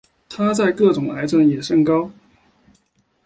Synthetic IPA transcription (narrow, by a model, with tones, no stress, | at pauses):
t̪ʰa˥t͡sa˥˧ɪkɤ˥˩ʈ͡ʂʊ˨˩ŋʔa˧˥ɪt͡sə˧˥njɛ˨˩ʂɤ˥˧ŋkɑ˥ʊ